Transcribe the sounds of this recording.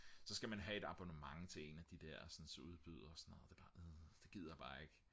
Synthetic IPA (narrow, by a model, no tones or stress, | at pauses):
sɒ̽sɡ̥æmænɦæe̝d̥ɑ̈b̥o̝nəmɑ̈ŋt͡sʰe̝le̝̰ːnæd̥id̥æɐ̰sɒ̽nsuð̞ˠb̥yðˠɐsɒnɔːð̩ˠd̥eb̥ɑd̥e̝ɡ̥ið̞̰ˠæb̥ɑ̈ːe̝ɡ̥